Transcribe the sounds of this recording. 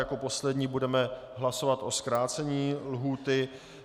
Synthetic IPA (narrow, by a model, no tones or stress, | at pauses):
jako̞po̞slɛdɲiːbudɛmɛ | ɦlaso̞vat̪ʔo̞skɾaːt͡sɛɲiːlɦuːt̪ɪ